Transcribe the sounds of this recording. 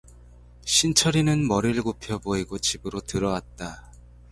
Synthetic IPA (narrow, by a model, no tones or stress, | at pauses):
ɕʰint͡ɕʰʌɾinɯnmʌɾiɭɯkopʰjʌboiɡot͡ɕibɯɾotɯɾʌwat̚t͈a